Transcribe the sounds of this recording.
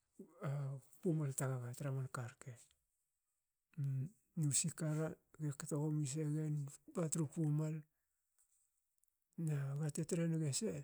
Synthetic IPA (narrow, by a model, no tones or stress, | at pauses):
apumaltaɡaɡataɾamankaɾke | nusikaɾaɡekatoɡomis̬eɡenbatɾupumal | naɡatetɾenoɡese